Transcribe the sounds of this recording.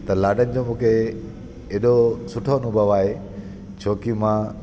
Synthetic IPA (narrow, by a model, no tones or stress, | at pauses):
t̪ɐlaːɖʱənɪ̆d͡ʑoːmũːkʰe | eːɗosʊʈʰonʊ̃bʱəʋaːɦe | t͡ɕʰoːkimã